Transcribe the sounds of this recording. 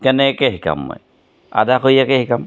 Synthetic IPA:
kɛnɛkɛɦika̰mːɔ̰j | a̰dakojakɛhikam

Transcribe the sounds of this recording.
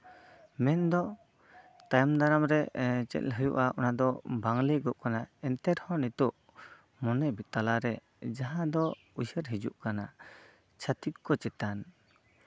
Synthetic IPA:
mɛnd̪ɔ | t̪ajmd̪aɾamɾɛt͡ʃɛ̰t̪̚ɦəjṵʔaʔɔnad̪ɔbaŋliɡɔʔ̚kanaɛnt̪ɛɾhɔ̃nit̪ɔʔ | mɔnɛbit̪alaɾɛ | d͡ʒaɦãd̪ɔ | ujsəɾɦid͡ʒṵʔkana | t͡ʃʰat̪ip̚kɔt͡ʃɛt̪an

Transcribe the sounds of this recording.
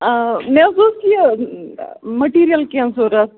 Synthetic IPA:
mesoski | mɐʈiːɾijɐlkensoːɾɐs

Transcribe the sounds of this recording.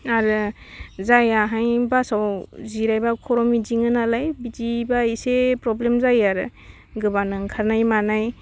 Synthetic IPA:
aɾɯ | zajaɦajbasawziɾajbakʰɔɾɔmid͡ʒiŋɯnalajbid͡ʒibaisepɾɔblemzajaɾɯ | ɡɯbanɯŋkʰaɾnajmanaj

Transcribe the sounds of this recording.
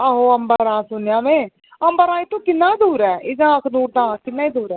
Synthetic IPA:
aːɦoːəmbəɾãːsʊnjãːmẽː | əmbəɾãːiːt̪õːkɪnːaːid̪uːɾɛːɪɡãːəkʰd̪uːʈ̚d̪ãːkɪnːaːiːd̪uːɾɛː

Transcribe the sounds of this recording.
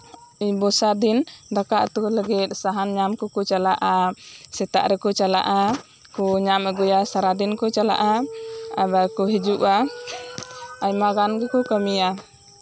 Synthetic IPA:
ibɔsad̪ind̪akaʔt̪ɔləɡit̪̚ˀsaɦanɲamkɔkɔt͡ʃalaʔasɛt̪a̰ʔɾɛkɔt͡ʃala̰ʔa | kɔɲamɛɡɔjasaɾad̪inkɔt͡ʃala̰ʔaa̰bakɔɦid͡ʒuʔa | ajmaɡanɡɛkɔkamia

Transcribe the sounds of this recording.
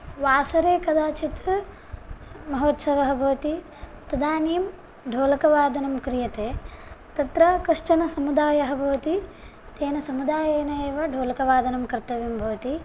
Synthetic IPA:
ʋaːsɐɾeːkɐd̪ʱaːt͡ʃit̪ɐ | mɐɦoːt̪sɐʋɐɦɐbʱɐʋt̪i | t̪ɐd̪aːniːm | ɖʱoːlɐkɐʋaːd̪ɐnɐmkɾijɐt̪eːt̪ɐt̪ɾɐkɐʂt͡ʃɐnɐsɐmud̪aːjɐɦɐbʱɐːɐt̪i | t̪eːnɐsɐmud̪aːjeːnɐeːʋɐɖʱoːlɐkɐʋaːd̪ʱɐnɐmkɐɾt̪ɐʋimbʱɐːt̪i

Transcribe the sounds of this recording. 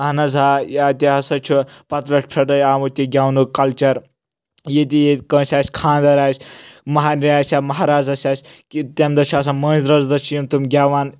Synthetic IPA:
ɐnɐzaːjaːt̪ʲiɐsɐt͡ʃʰupɐt̪lɐʈʲpʰɐʈɐjaːmut̪ʲiɡʲaːwnukɐlt͡ʃɐɾ | jit̪ʲijekə̃ːsʲaːsʲkʰãːnd̪ɐɾaːsʲmɐɦaːniaːsʲaːmɐɦaːɾaːzɐsʲaːsʲkit̪emd̪ɐt͡ʃʰaːsamɐ̃ːnzʲɾɐzd̪ɐt͡ʃʰjimt̪umɡʲaːʋaːn

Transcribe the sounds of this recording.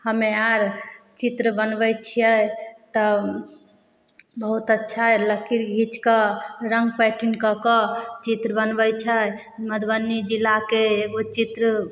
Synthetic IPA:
həmeaɾt͡ʃit̪ɾəbənbɛjt͡ʃʰijəjt̪ɔ | bəɦut̪ətːʃʰaɦɛləkiɾɡʱit͡ʃkəɾəŋɡ̚pɛʈinkəkɔt͡ʃit̪ɾəbənbət͡ʃʰə | məd̪bənːid͡ʒilːakeːɡot͡ʃit̪ɾə

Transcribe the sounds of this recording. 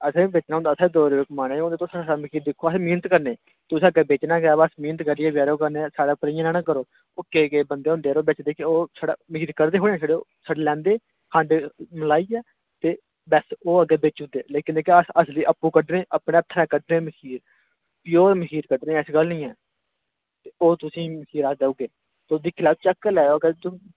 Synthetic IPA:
əsẽbeːt͡ʃnaːʊ̃nd̪aːsʰaːd̪oːɾkmaːneːɦõnd̪eːt̪oːsaːsaːməkʰiːɾd̪ɪkʰːoːəsẽːmiːnət̪kəɾneː | t̪ʊsẽəɡɛːbeːt͡ʃnãːɡɛːbəsmĩːnət̪kəɾiːɛːbjaːɾoːkəɾneːsaːɽaːpəɾiːãːnɛːnãːkəɾoː | ʊkːeːɡeːbənd̪eːʊ̃ːnd̪eːɾoːbeːt͡ʃd̪eːkɪoːsaːɖa̰ːməhiːɾkəɾd̪eːɦoːɽeãːsaɽesaɖeːlɛ̃ːnd̪eː | kʰãːɳɖeməlaːiːɛː | t̪eː | bɛsoːəɡeːbeːt͡ʃʊd̪ḛːleːkɪnd̪eːkeəsliːʔəpːũːkəɖnẽːʔəpɳeːət̪ʰːɾɛ̃ːkəɖɾẽːməkiːɾ | ɪjoːɾməkiːɾkəɖɾẽːɪsɡəlnĩːɛː | t̪eːoːt̪ʊsĩːməkiːɾaːd̪eːʊɡeː | t̪ːd̪iːkʰɪlaːb̚t͡ʃəkːlɛːoːəɡəɾt̪ʊ

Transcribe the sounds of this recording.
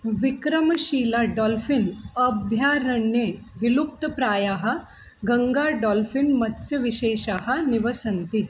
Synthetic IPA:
ʋikɾəmɕiːlaɖɔlfinəbʱjaɾəɳjeʋilup̚t̪əpɾaːjaɦa | ɡəŋɡaɖɔlfinmɐt̪sjɐʋiɕeːɕahaniʋəsənt̪i

